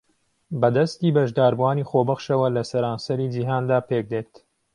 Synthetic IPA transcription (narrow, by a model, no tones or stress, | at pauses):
bɐd̪ɐst̪iːbɐʒd̪aːɾbuaːniːxobɐχʃɐwɐlɐsɐɾaːnsɐɾiːd͡ʒiɦaːnd̪aːpʰek̚d̪eːt̪